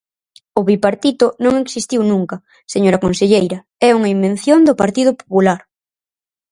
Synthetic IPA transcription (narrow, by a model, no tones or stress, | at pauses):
ʊβipaɾt̪it̪ʊnõŋeksist̪iwnũŋkɐ | seɲoɾɐkonseʎejɾɐ | ɛuŋɐimben̟θjond̪ʊpaɾt̪ið̞ʊpo̥pulaɾ